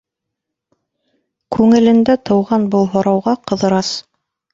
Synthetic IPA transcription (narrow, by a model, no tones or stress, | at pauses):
kʰʉŋɘ̆lɘ̆nd̪æt̪ʰɤ̆wʁɑnbɤlˠɦŏɾɑwʁɑqɤ̆ðɤ̆ɾɑs